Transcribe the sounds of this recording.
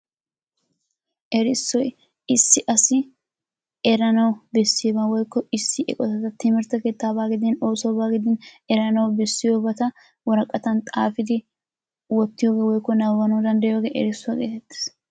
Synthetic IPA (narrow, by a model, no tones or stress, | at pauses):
ʔɛɾɪsːɔj | ɪsːɪʔɐsɪ | ɛɾɐnɐwbɛsːɪeːbɐwɔjkːɔɪsːɪʔɛ̰kʼɔt̪ɐt̪ɐt̪ɪmɪɾt̪ɐke̞ːt̪ːaːbaːɡɪd̪ɛno̞ːsoːbaːɡɪd̪ɪn | ɛɾɐnɐwbɛsːɪjoːbɐt̪ɐ | wɔɾɐkʼːɐt̪ɐnt̪ʼaːfɪd̪ɪ | wɔt̪ːɪjoːɡeːwɔjkːɔnɐwɐnod̪ɐnd̪ɐjoːɡeːʔɛ̰ɾɪsːʊɐkʼeːt̪ɛt̪ːɪ̥s